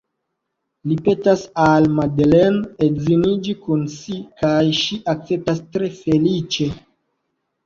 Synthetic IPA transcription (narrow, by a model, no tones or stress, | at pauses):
lipe̞tasalmadlenedzinid͡ʒikunsikajʃiʔak̚t͡se̞p̚tastɾe̞fe̞lit͡ʃe̞